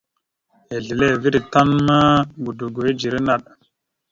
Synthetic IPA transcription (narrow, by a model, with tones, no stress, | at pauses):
e˨ɮi˨le˦˨vi˦ɗi˨ta˦nma˦ɡu˨du˨ɡo˨e˦d͡ʒi˨ɾe˦na˨ɗ̚